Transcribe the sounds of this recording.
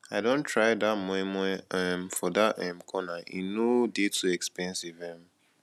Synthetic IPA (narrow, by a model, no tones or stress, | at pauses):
aɪdõntʰɹaɪdamɔ̃mɔɛɛmfɔdatɛm̩kʰɔnaʔḭnodetuɛkspɛ̃nsivɛ̃m